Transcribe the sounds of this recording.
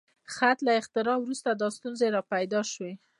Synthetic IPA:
xat̪laɪxt̪ɪɾɑwɾust̪ad̪ɑst̪unzeɾɑpajd̪ɑʃwe

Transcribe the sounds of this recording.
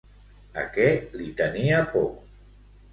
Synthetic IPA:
a̰kɛlit̪əniapɔ

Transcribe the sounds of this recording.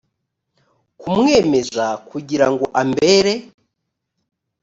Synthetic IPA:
kumŋe̞ːme̞zakuɟiɾaŋɡo̞ʔambe̞ɾe̞

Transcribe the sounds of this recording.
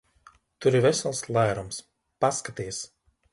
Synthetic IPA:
t̪uɾivɛsalˠslˠajɾɔms | paskat̪iɛs

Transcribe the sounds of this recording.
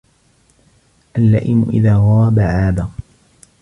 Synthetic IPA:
ʔalːa̰ːʔɪmʊ̰ʔɪ̰ðaːɣɑabaʕaːba

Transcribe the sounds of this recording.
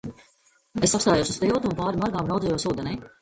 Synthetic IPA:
esːapst̪aːjoːsust̪ɛwt̪uːnpaːɾimaɾɡaːmɾawd̪zɛjoɔsuːd̪enɛj

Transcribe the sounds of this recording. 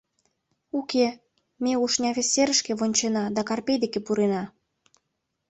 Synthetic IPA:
uke | meuʃnʲɑβʲesʲeɾəʃkeβonʲt͡ɕenɑd̪ɑkɑrpejd̪ekepuɾenɑ

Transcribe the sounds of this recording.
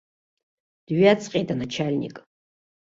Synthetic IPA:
d̥ɥiat͡sʰʼqʼejtʼanat͡ʃʰalʲnʲḭkʼ

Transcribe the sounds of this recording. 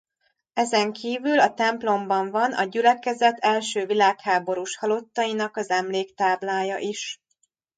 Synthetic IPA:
ɛzɛŋkʰiːvylɒt̪ɛmplo̞mbɒɱvɒnʔɒ̰ɟylɛkɛzɛt̪ʰɛlʃøːvilaːkhaːbo̞ɾuʃhɒlo̞t̪ːɒjinɒkɒzɛmleːkt̪aːblaːjɒʔiʃ

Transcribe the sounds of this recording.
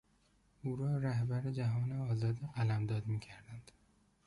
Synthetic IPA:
uːɾɒːɾæhbæɾed͡ʒæɦɒːneɒːzɒːd̪iːɢælæmd̪ɒːd̪miːcʰæɾd̪ænd̪̥

